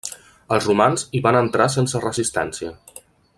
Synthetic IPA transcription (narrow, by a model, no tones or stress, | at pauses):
əlˠzrumanziβanənt̪ɾasensərəzist̪ɛ̰nsiə